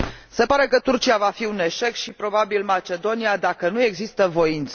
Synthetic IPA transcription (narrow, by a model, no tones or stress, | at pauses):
se̞paɾe̞kət̪urt͡ʃiavafiune̞ʃe̞kʃipɾo̞babilmat͡ʃe̞d̪o̞niad̪akənue̞ɡzist̪əvo̞int̪s